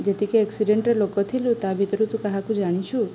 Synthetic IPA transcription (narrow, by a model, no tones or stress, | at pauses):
d͡ʒet̪ikeɛksiɖeɳʈɾelokot̪ʰiljũt̪abʱit̪ɾũt̪ũkəɦãkũd͡ʒaɽ̃it͡ʃʰũ